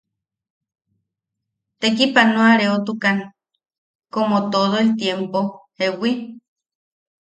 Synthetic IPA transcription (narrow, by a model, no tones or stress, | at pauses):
t̪ekipanõaɾeot̪ukan | komot̪oðoet̪jempohewi